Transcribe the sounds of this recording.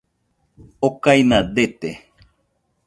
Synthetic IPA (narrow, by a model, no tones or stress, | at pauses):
okaijnad̪et̪e